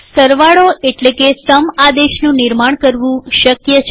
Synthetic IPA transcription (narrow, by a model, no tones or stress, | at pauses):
səɾʋaɭoeʈlekesəmad̪eʃnũnɪɾmaɳkəɾʋũʃəkjət͡ʃʰ